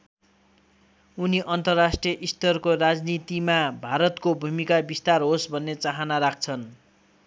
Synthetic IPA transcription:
uniʔʌnt̪ʌrːasʈrijʌʔist̪ʌrkorad͡znit̪imabʱaɾʌt̪kobʱumikabist̪arɦosbʱʌnːet͡saɦanaɾak̚ʰt͡sʰʌn

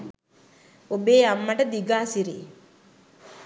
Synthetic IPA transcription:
obeːamːɐʈəd̪iɡaːsiɾiː

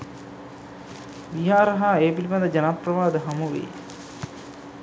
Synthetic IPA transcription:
ʋiɦaːɾɐɦaeːpilipɐnd̪əd͡ʒɐnaprɐʋaːd̪əɦɐmuʋḛː

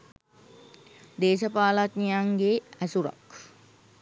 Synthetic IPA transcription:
d̪eːʃəpaːlat̪nijaŋɡeæsuɾa̰k

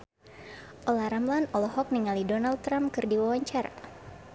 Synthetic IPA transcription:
ʔɔlaɾamlanɔlɔɦɔk̚niŋalidɔnald̪̚t̪ɾampkɨrdiwawaɲt͡ʃaɾa̰

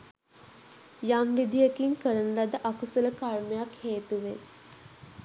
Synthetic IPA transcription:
jamʋid̪ijəkiŋkəɾənəlad̪əʔakusələkarməjakheːt̪uʋen

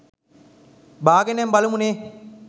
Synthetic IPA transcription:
baːɡenɛmbɐlumuneː

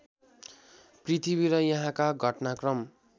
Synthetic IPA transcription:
prit̪ʰibiɾʌjʌɦãkaɡʱʌʈnakrʌm

